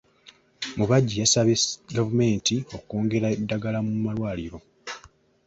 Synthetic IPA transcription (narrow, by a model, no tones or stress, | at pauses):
muβaɟːijasaβeɡavume̞ːntio̞koːŋɡe̞ɾaedːaɡalamumalwaːliɾo̞